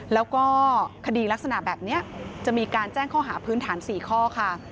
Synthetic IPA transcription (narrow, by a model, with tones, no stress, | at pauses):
lɛː˦˥wkɔː˥˩kʰa˧diː˧la˦˥k̚sa˧na˨˩bɛː˨˩p̚ni˦˥ɐt͡ɕa˨˩miː˧kaː˧nt͡ɕɛː˥˩ŋkʰɔː˥˩ɦaː˩˦pʰɯː˦˥nt̪ʰaː˩˦nsiː˨˩kʰɔː˥˩kʰa˥˩